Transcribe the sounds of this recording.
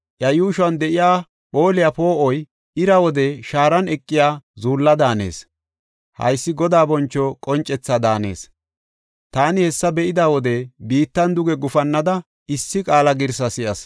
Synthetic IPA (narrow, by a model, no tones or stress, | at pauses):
ʔjɐjuːʃɐnd̪ɛʔɪjaː | po̞ːlɪjapo̞ːʔɔj | ɪɾɐwɔd̪ɛʃaːɾɐnɛkʼːɪjaːzuːlːɐd̪aːnḛːs | hɐ̰jsːɪɡɔd̪aːbɔnt͡ʃːɔkʼɔnt͡ʃʼɛt͡sːɐd̪aːne̞̰ːs | t̪aːnɪhɛsːɐbɛʔɪd̪awɔd̪ɛbiːt̪ːɐnd̪ʊɡɛɡʊfɐnːɐd̪ɐ | ɪsːɪkʼaːlɐɡɪɾsɐsɪʔɐs